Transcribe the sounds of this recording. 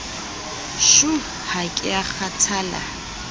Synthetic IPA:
ʃu | hakʼɪaχat͡sʰaːla̰

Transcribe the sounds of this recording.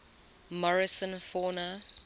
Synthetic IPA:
mɔɹɪsə̃nfɔːnə

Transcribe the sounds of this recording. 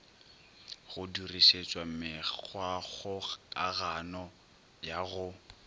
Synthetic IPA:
ɣʊduriʃet͡ʃʼwamɪwaɣʊkʼaɣanɔ | jaɣʊ

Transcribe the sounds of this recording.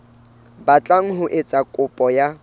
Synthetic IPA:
bat͡ɬʼaŋ̩ɦʊʔet͡sʼakʼʊpʼɔja

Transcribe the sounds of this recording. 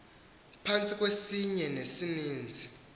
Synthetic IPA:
pʰant͡sʼik̬ʼwesiɲɛnesiniːnd͡zʱi

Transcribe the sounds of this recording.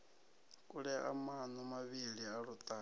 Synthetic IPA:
kʼuɺɛa̰manumaβiɺiaɺut̪ʼaː

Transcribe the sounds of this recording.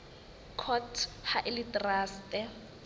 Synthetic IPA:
kʰɔtʰhaʔɪlitʼraːstʼɛ

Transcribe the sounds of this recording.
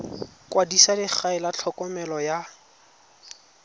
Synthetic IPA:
kʼwadisadɪk͡xaɪlat͡ɬʰɔkɔmɛlɔja

